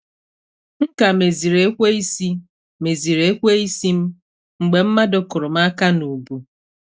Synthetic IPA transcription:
ŋ̩˦ka˨me˨zi˨ɾe˨˦kʷe˦i˦si˦ | me˨zi˨ɾe˨˦kʷe˦i˦si˦m̩˦ | ŋ͡m̩˨ɡ͡be˨m̩˦ma˦dʊ˦kʊ˨ɾʊ˨m̩a˦ka˦nu˨bu˨

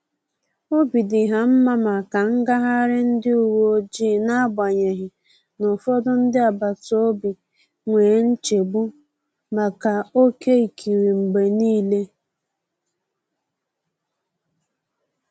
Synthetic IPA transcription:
o˦bi˨dɪ˨ɦa˨m̩˦ma˦ma˨ka˨ŋ̩˦ɡa˦ɦa˦ɾɪ˦n̩˦dɪ˦u˨wo˦o˦d͡ʒiː˦˨na˦ba˨ɲe˨ɦɪ˨ | nʊ˨fɔ˦dʊ˦n̩˦dɪ˦a˨ba˨to˦bi˨ | ŋʷeː˨˦n̩˦t͡ʃe˨bʊ˦ | ma˨ka˨o˦ke˦i˨kʰi˨ɾi˨ŋ͡m̩˨ɡ͡be˨niː˦le˦

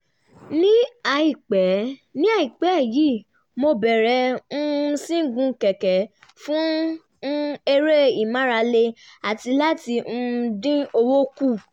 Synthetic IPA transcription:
nĩ˦a˧i˨k͡pɛ˨˦nĩ˦a˦˨i˨k͡pɛ˨˦˨ji˦ | mo˧bɛ˨ɾɛ̃˧˦˧ | sĩ˦ɡũ˧kɛ˨kɛ˨˦ | fũ˦ | e˧ɾe˦i˨mã˦ɾa˧le˧ | a˨ti˧la˦tĩ˧dĩ˦o˧wo˦ku˦˨

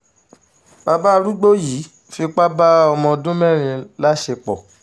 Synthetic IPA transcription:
ba˧ba˦˧ɾu˦ɡ͡bo˦jiː˨˦ | fi˧k͡pa˦ba˦ɔ˧mɔ̃˧dũ˦mɛ̃˦˨ɾ̃ĩ˧la˦ʃe˧k͡pɔ˨

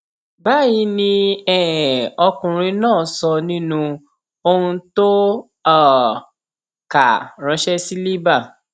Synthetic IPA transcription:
ba˦ji˧˦nĩ˧ɛ˨ɔ˧kũ˨ɾ̃ĩ˧nãː˦˨sɔ˧nĩ˦nũ˧ | o˧hũ˧to˦ | a˦˨ | ka˨ɾ̃ã˨˧˦ʃɛ˦si˦li˦ba˦˨

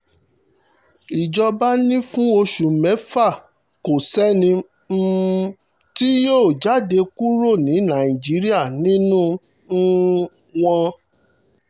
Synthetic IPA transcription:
i˨d͡ʒɔ˧ba˦nĩ˦fũ˦o˧ʃu˨mɛ̃˨˦fa˦˨ | ko˨sɛ˦nĩ˧ | ti˦joː˦˨d͡ʒa˨˦de˧ku˦ɾo˦˨nĩ˨˦nã˨ĩ˨d͡ʒi˨˦ɾi˦a˦˨nĩ˦nũ˦ | w̃ɔ̃˧

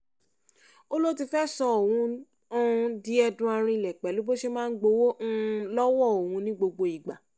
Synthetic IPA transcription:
o˦lo˦ti˧fɛ˦sɔ˧o˨wũ˧˦ | ɔ̃˦˧di˦ɛ˧dũ˧˦a˧ɾ̃ĩ˧˨lɛ˨k͡pɛ˨˦lu˨˦bo˦ʃe˧mãː˦ɡ͡bo˧˦wo˦lɔ˦wɔ˦˨o˨wũ˨˧˦nĩ˦ɡ͡bo˧ɡ͡bo˧i˨ɡ͡ba˨

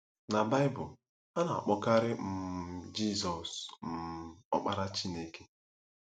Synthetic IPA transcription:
na˨ba˦ɪ˦bʊ˨l | a˦na˨a̰˨k͡pɔ˦ka˦ɾɪ˦m̩˨d͡ʒi˦zɔ˨sm̩˦ɔ̰˦k͡pa˦ɾa˦t͡ʃi˦ne˦ke̥˦

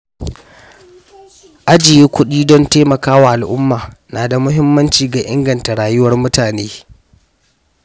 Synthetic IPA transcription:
ʔa˦d͡ʒɪ˨jeː˦kʷʊ˦ɗiː˦dɔ˦nteː˦mɐ˨kaː˦wa˨ʔa˨lʔʊ˦mːaː˨naː˨da˨mʊ˦ɦɪ˦mːɐ˦nt͡ʃiː˨ɡa˨ʔɪ˦ŋɡɐ˨nta˨ɽaː˨jʊ˦wɐ˦rmʊ˦taː˨neː˦

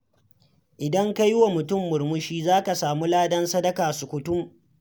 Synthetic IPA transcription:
ʔɪ˨dɐ˦ŋka˦jwa˨mʊ˨tʊ˦˨mːʊ˨ɾmʊ˦ʃiː˦zaː˦ka˨saː˨mu˦laː˦dɐ˦nsɐ˦dɐ˦kaː˨sʊ˨kʷʊ˨tʊ˦m

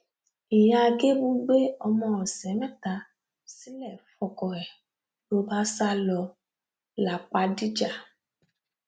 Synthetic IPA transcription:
i˨ja˧ɡe˦bu˦ɡ͡be˦ɔ˧mɔ̃˧ɔ˨sɛ˨˦mɛ˦ta˧ | si˦lɛ˦˨fɔ˧kɔ˨ɾɛ˨ | lo˧˦ba˦sa˦lɔ˧ | la˨k͡pa˧di˦d͡ʒa˦˨

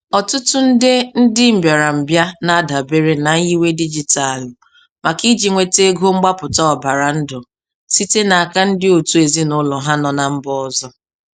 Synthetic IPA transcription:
ɔ˨tʊ˦tʊ˦n̩˦dɪ˦n̩˦dɪ˦m̩˦bja˨ɾa˨m̩˨bja˦na˦˨da˨be˦ɾe˦na˨n̩˦ji˦we˦di˦d͡ʒi˨ta˨l | ma˨ki˦d͡ʒi˨ŋʷe˨te˦ɡo˦ŋ͡m̩˦ɡ͡ba˦pʊ˨tɔ˦ɔ˨ba˨ɾa˨n̩˦dʊ˨ | si˦te˦na˨a˨ka˦n̩˦dɪ˦o˨tu˦e˨zi˦nʊ˦lɔ˨ɦa˦nɔ˨na˨m̩˦bɔ˦ɔ˦zɔ˦

